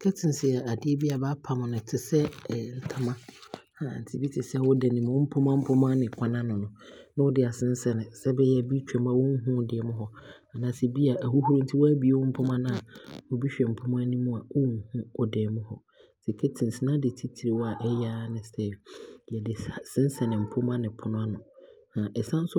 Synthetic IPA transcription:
kʰɛ˦tʰɪ̃˨n˨sɪ˨a˨a˨dɪ˦e˦bi˦a˨ba˦pʰa˨mʊ̃˨nʊ̃˨tʰɪ˨sɛ˦˨n̩˦tʰa˦mã˦hã˨n̩˨tʰi˨bi˦tʰɪ˨sɛ˦˨wɔ˦dɛ˨nɪ̃˨mʊ̃˨˦m̩˦pʰʊ˦mã˦m̩˦pʰʊ˦mã˦nɪ̃˨kʰʷa˦nã˦nʊ̃˨nʊ̃˨nã˦wʊ˦dɪ˨a˨sɪ̃˦n̩˦sɛ˦nɪ̃˨sɛ˦bɛ˦jɛ˦˨bi˦t͡ɕᶣɛ˨m˦a˨wɔ˦ŋ̩˦ɦʊ̃˦dɪ˨ɛ˨mʊ̃˦ɦɔ˨ | a˨nã˨˦sɛ˨bi˦a˨ʔæ˨hu˦hu˦ɾũ˦n̩˦tʰi˦wɔ˦æ˦bi˨˦e˨wɔ˦m̩˦pʰʊ˦mã˦nã˦˨a˨wɔ˦bi˦ɕᶣɛ˨m̩˨pʰʊ˦mã˦nĩ˦mʊ̃˦a˨wɔ˦ŋ̩˦hʊ̃˦ɔ˨dɛː˨mʊ̃˦hɔ˨ | sɛ˨kʰe˦tʰĩ˨n̩˨si˨nã˦dɪ˨tʰi˦tʰi˨ɾe˨wɔ˦a˨ʔɛ˦ja˦nɪ̃˨sɛ˦jɛ˨dɪ˨sa˨sɪ̃˦n˦sɛ˨nɪ̃˨m̩˨pʰʊ˦mã˦nɪ̃˨pʰʊ˨nʊ̃˦a˦nʊ̃˨ | hã˨ʔɛ˨sã˦n̩˦sʊ˦

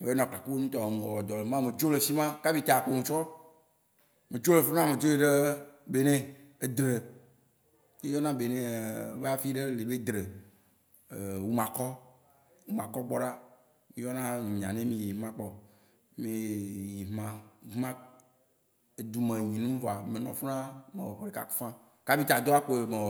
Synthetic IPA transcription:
e˦nɔ̃˨ka˨ko˦nũ˦t̪ɔ˨mẽ˨ɔ˨wɔ˨d̪ɔ˨le˨mã˦me˨d͡ʒo˦le˨si˦mã˦ka˦vi˦t̪a˨k͡po˦ŋũ˨t͡ʃɔ˦ | mẽ˨t͡ʃo˦le˨fe˦nã˦mẽ˨d͡ʒo˦e˦ɖe˦be˨nẽ˦e˨d̪ɾe˨ | je˦jɔ˦nã˦be˨nẽ˨ve˦a˨fi˦ɖe˦le˨be˦d̪ɾe˨ | wu˦mã˨kɔ˦ | wu˦mã˨kɔ˦ɡ͡bɔ˦ɖa˦ | mĩ˦jɔ˦nã˦ɲ̩̃˨ɲ˨ã̰˨nẽ˦mĩ˨ji˨mã˦k͡pɔ˨ | mĩ˨ji˨mã˦mã˦ | e˨d̪u˨mẽ˨ɲĩ˨nũ˦vɔ˨a˨me˨nɔ̃˨fnã˦me˨wɔ˨xɔ˨ɾe˨ka̰˨ku̥˦fã˦ | ka˦bi˦t̪a˨d̪o˦a˦k͡po˨e˨me˨

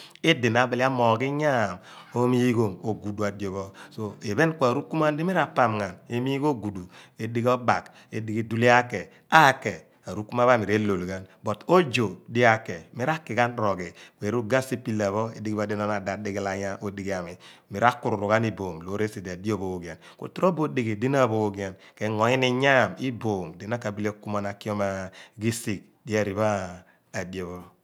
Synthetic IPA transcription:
e˦di˨na˨˦bi˨li˦a˦mɔ˨ki˦ɲa˦˨mo˦mi˦ɡo˨mo˨ɡu˨du˨a˨djo˨βɔ˦so˦e˨βe˦nkʷa˨ɾu˦ku˦m˦a˦n˦di˦mi˦ɾa˦pa˨mŋa˨ne˦mi˦ko˦ɡu˨du˨e˨˦di˦ɡɔ˦ba˨k | e˦di˦ɡi˦du˦li˦a˦kɛ˨ | a˦kɛ˨ | a˨ɾu˦ku˦ma˦βa˦mi˨ɾe˦lo˨lɡa˦nbɔ˨to˦d͡ʒo˨di˦a˦kːɛ˨me˦ɾa˦kːi˨ka˦nɾɔ˨ɡi˨ke˨ɾu˦ɡa˦si˦pi˦la˨βɔ˦e˨di˦ɡi˦βa˨di˦nɔ˦na˨da˨di˦ɡi˦la˨ɲa˦ʔo˦di˨ɡi˨a˨mi˨mi˨ɾa˦kːu˦ɾu˨ɾu˨ka˦ni˦bo˨ŋlo˨˦ɾe˦si˨da˨di˦o˦bo˦o˨ɡi˨a˨nko̰˨tɾo˦bo˦di˨ɡi˨di˦na˦˨bo˦o˦ɡi˨a˨nkɛ˨ŋɔ˨i˦ni˦ɲa˦˨mi˦bo˨ŋdi˨na˦ka˨bi˦le˦ku˦ma˨na˨ki˦ɔ˦ma˨ɡi˦si˨k̚ | di˦a˦˨ɾi˨βaː˦˨ | di˨o˨βɔ˦

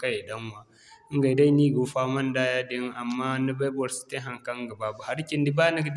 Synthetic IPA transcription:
ka˦je˨ɗɐ˦ŋwa˨˦ | ŋɡa˨da˦jni˦ɡu˨ɸa˦mɐ˦n˦daː˦ja˦de˦ŋa˨mːaː˦na˦ba˦bɔ˨ɾsi̥˦te˦ɦa˨ŋka˦ŋ˦ɡa˨ba˨bu˨ha˦ɾkʲɪ˦ndi˦baː˦na˦ɡd

